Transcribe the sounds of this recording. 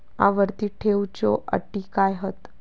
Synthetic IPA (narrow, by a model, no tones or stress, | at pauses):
a̰ʋəɾt̪iːʈʰewt͡ɕo̰ʔə̰ʈːikajɦət̪